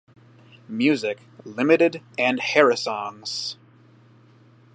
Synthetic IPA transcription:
mjʉzɪk | lɪ̃mɨɾɨɾɨ̃nhɛɹɨsɔ̃ŋz̥

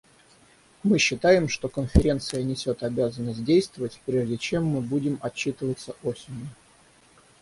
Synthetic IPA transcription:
mɨɕːɪt̪ajɪmʂt̪o̞kənfʲɪɾʲe̞nt̪sɨjənʲɪsʲo̞t̪ɐbʲazənːəsʲt̚ʲdʲejst̪vəvətʲpɾʲe̞ʐdʲɪt͡ɕe̞mːɨbudʲɪmɐt͡ɕːit̪ɨvət̪səʔosʲɪnʲjʊ

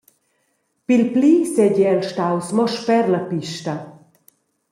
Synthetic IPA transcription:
pilpliːsɛɟɛɛlʃtawsmɔʃpɛɾlapiʃtɐ

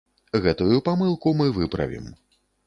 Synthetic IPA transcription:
ɣɛt̪ujupamɨlˠkumɨvɨpɾɐ̰vʲḭm

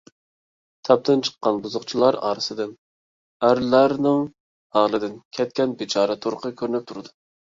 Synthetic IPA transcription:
t̪ʰɑp̚t̪ʰɨnt͡ʃʰə̥qːɑnbuzʊqt͡ʃʰilˠɑɾɑ̰ːɾɨsɨd̪ɨn | æɾlæɾnɨŋ | ɑːlˠɨd̪ɪnkʲʰɛt̪̚kʲɛnbɪt͡ʃʰɑːɾɛt̪ʰoɾqʰəkʲʰøɾnɪp̚t̪ʰuɾɨd̪u

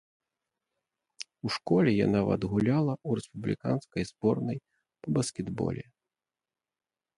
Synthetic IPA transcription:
uʂkɔlʲɛja̰navɐ̰d̪ɣulʲalˠɐuɾɛspublʲḭka̰nskɐjzbɔrnɐj | pɐbɐskʲɛd̪bɔ̰lʲɛ

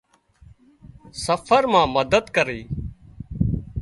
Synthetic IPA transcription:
səfʰəɾmãːməd̪əd̪kəɾeː

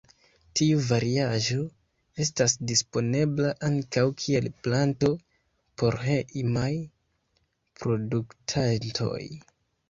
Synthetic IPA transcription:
tiuvaɾiaʒo̞ | e̞stasdispo̞ne̞blaʔaŋkawkʰie̞lplanto̞ | po̞ɾɦemaj | pɾo̞duktʰantʰo̞̰j

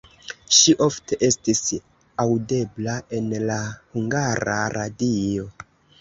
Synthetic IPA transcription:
ʃiʔo̞fte̞ʔe̞stis | awde̞blaʔe̞nlahuŋɡaɾa̰ɾadio̞

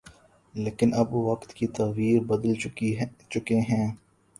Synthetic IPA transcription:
leːkɪnɐbʋɐqt̪kit̪ɐːʋiːɾbɐd̪əlit͡ʃʊkeɦɛ̃ː

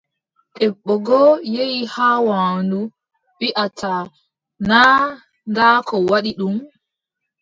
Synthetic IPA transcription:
ɗɛɓːɔɡɔjejihaːwaːndu | ɓiʔata | na | ɡaːkɔwaɗiɗum

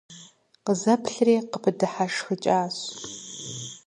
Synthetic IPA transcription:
qəzɐpʰɬreːqəpʰɨdɨħaʂxət͡ʃʼaːɕ

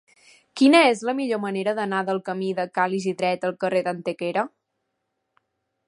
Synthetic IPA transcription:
kinəezləmiʎoməneɾəðənaðəlˠkəmiðəkaliziðɾɛt̪əlˠkəreðənt̪ekeɾə

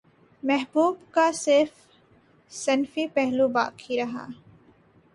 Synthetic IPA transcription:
mɛɦbuːbkasɪɾf | sɐnfipɛɦluba̰ːkʰiɾɐɦa̰ː

